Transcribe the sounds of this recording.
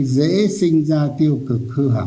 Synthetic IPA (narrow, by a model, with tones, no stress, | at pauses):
zḛ˧˥sï˧ŋ̟zaː˧t̪i˧əwkɨ˨˩k̚hɨ˧ɦa̰˨˩